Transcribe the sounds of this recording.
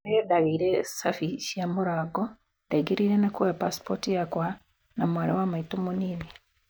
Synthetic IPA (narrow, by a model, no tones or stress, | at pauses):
eedaɣiɾesafiʃijamuɾaːɡo | daɡiɾiɾenakuwepaspotijakwa | namwaɾewamaitumunine